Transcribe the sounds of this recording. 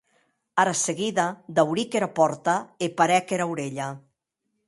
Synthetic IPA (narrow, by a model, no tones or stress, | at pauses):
aɾaseɣiðad̪awɾikeɾapɔɾt̪aepaɾɛkeɾawɾeʎa